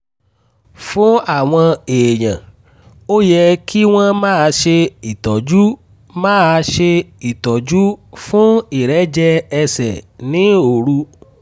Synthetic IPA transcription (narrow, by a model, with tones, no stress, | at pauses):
fũ˨˦a˦˨w̃ɔ̃˧eː˨j̃ã˨ | o˦jɛ˧kʰi˦w̃ɔ̃˦mãː˦˨a˧ʃe˧i˨tɔ˨d͡ʒu˦ | mãː˦a˧ʃe˧i˨tɔ˨d͡ʒu˦fũ˦i˨ɾɛ˨˦d͡ʒɛ˧ɛ˧sɛ̰˨nĩ˨˦o˨ɾu˧˦